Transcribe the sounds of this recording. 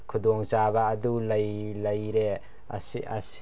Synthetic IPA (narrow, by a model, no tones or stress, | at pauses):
kʰudɔŋzaβaːdulajlajɾe | ɐ̰sia̰s